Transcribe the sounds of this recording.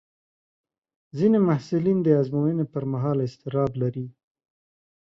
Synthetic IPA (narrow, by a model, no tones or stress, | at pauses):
zinemahsulind̪əazmowənepəɾmaɦɑlɪst̪ɪɾɑblaɾi